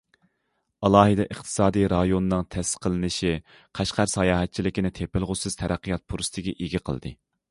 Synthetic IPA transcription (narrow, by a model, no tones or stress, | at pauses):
ɑlˠɑːɦɨd̪ɛʔəχt̪ʰɨ̥sɑːd̪ijɾɑjonɨnɨŋt̪ʰɛsqʰːəlˠɨnɨʃi | qʰæʃqʰæɾsɑjɑːɦɛt̪̚t͡ʃʰilɪkʲinɪt̪ʰepɪlˠʁʊsɨz̥t̪ʰɛɾæqʰːijɑt̪̚pʰuɾsɨ̥t̪ʰɪɡʲɛʔiɡʲiqʰə̰lˠd̪ɨ̰